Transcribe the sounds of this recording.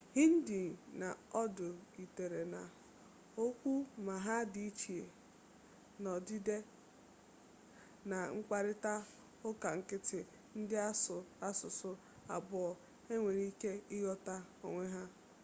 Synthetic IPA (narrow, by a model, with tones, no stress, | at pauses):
hi˦n̩˦di˨na˨ɔ˦dʊ˨i˨te˨ɾe˨na˨ | o˦kʷu˦ma˨ɦa˦di˨i˦t͡ʃi˨e˨ | nɔ˨di˦de˦ | na˨ŋ͡m̩˦k͡pa˦ɾɪ˦ta˦ | ʊ˦ka˨ŋ̩˨kɪ˦tɪ˨ | n̩˦dɪ˦a˦sa˦sʊ˨sʊ˦ | a˨bʊ˨ɔ˨ | e˦ŋʷe˨ɾi˦ke˦ɪ˦ɣɔ˦ta˦ | o̰˨ŋʷe˦ɦa˦